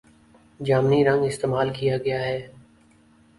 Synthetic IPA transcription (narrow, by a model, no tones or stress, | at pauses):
d͡ʒaːmniɾɐ̃ŋɡɪst̪eːmaːlkijaɡɐjaɦɛː